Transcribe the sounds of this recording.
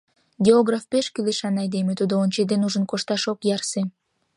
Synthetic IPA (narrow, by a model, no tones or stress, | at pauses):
ɡʲeoɣrɑfpeʃkyleʃɑnɑjd̪emet̪ud̪oonʲt͡ɕed̪enuʒənkoʃt̪ɑʃokjɑrse